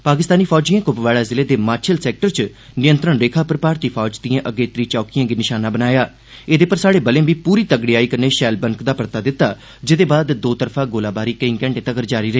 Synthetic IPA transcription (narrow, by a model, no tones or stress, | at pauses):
paːkɪst̪aːniːpʰɔːd͡ʒijãːkʊpʋaːɽaːzɪleːd̪eːmaːɾt͡ʃʰəlsɛːk̚ʈəɾt͡ʃ | nɪjənt̪ɾəɳɾeːkʰaːpəɾpaːɾt̪iːpʰɔːd͡ʒd̪ijãːʔəɡeːt̪ɾiːt͡ʃɔːkijãːɡinɪʃaːnaːbənaːjaː | eːd̪eːpəɾsaːɽeːbəlẽːʋiːpuːɾiːt̪əɡɽiːaːiːkəɾneːʃɛːlbəŋkd̪aːpəɾt̪aːd̪ɪt̪ːaː | d͡ʒɪd̪eːbaːd̪d̪oːt̪əɾpʰãːɡoːlaːbaːɾiːkəĩːkɛ̃ːɳʈeːt̪əɡəɾd͡ʒaːɾiːɾəɦeː